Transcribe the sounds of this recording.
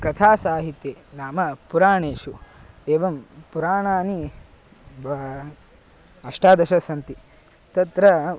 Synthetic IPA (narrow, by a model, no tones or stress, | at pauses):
kɐt̪ʰaːsaːɦit̪jeːnaːmɐpuɾaːɳeːʃu | eːʋɐmpuɾaːɳaːni | ɐʂʈaːd̪ɐʃɐsɐnt̪i | t̪ɐt̪ɾɐ